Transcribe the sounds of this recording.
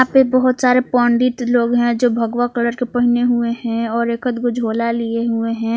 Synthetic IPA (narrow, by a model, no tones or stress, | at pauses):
ãpebəɦʊt̪saːɾepɔːɳɖit̪loːɡɦɛ̃d͡ʒoːbʱəɡʋakələɾkepɐɦɪneɦueɦɛ̃ɔːɾeːkət̪ɡʊd͡ʒʱoːlalieɦueɦɛ̃ː